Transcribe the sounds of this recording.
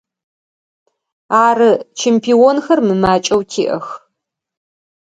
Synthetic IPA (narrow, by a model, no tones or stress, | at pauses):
aːɾɨt͡ʃʰɛmpʰiːwɔnxɐrmɨmaːt͡ʃʼɐwtʰiːʔɐx